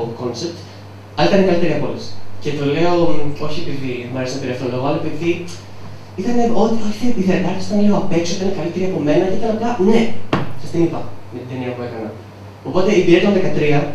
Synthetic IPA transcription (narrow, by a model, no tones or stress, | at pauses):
ko̞nsep̚t̪ | ɐlɐit̪ɐnekɐlit̪e̞ɾiɐpolscet̪ole̞o̞o̞çie̞piðiemɐɾesɐnpeɾiɐft̪oloɣoɐlɐepiði | it̪ɐne̞o̞t̪ioçi̥t̪epiθet̪ɐɾçsi̥t̪ɐnleoɐpe̞ksoit̪ɐinekɐlit̪e̞ɾiɐpo̞me̞nɐceit̪ɐnɐk̪ɐnesɐ̥st̪inipɐmet̪id̪eniɐpue̞kɐnɐ | o̞po̞t̪e̞ipiɾet̪ɐnðekɐt̪ɾiɐ